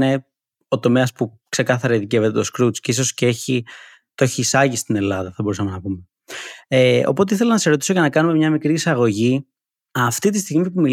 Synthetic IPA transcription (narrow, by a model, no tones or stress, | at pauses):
ne̞ | o̞t̪o̞me̞ɐspu | kse̞kɐθɐɾɐiðicevet̪et̪o̞skɾut͡sceiso̞sceeçi | t̪oeçiːsɐʝist̪ine̞lɐðɐθɐbo̞ɾusɐmenɐpume | eo̞̰po̞t̪eiθe̞lɐnɐsseɾo̞t̪iso̞ʝɐnɐkɐnume̞mɲɐmikɾiːsɐɣo̞ʝi | ɐft̪it̪ist̪iɣmipumi